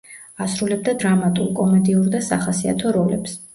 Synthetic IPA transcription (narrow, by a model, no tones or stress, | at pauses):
asɾulɛb̚d̪ad̪ɾamat̪ʼṵlˠkʼɔmɛd̪iuɾd̪asaχasia̰t̪ʰɔɾɔlɛ̰ps